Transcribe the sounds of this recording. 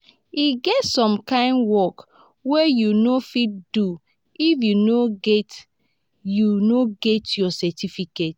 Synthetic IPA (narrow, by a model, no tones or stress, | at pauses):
iɡɛtsɔ̃mkãɪ̃ndwɔk | wejunofit̚du | ifjunoɡet | junoɡetjɔsɛtifiket